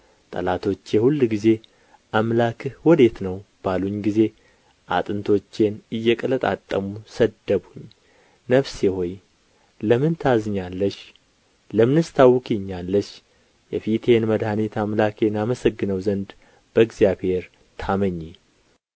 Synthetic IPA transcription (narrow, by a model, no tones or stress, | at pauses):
t̪ʼə̰lat̪ʰo̞t͡ʃːjɛhulːɡize̞ | ʔamlakʰwɔd̪e̞t̪nəwb̥aluɲːɡize̞ | ʔa̰t̪ʼɨnt̪ʰo̞t͡ʃːe̞nɨjːɛkʼələt̪ʼa̰t̪ʼːəmusəd̪əbuɲː | nəβsehoj | ləmɨnt̪ʰazɨɲːalːəʃ | ləmɨnɨst̪ʰawːkʰʼiɲːalːəʃ | jɛfit̪ʰe̞nməd̪hanit̪ʰamlakʰe̞naməsəɡːɨnəwzənd̪ | b̥əɡzjaβhe̞ɾ | t̪ʰaməɲːi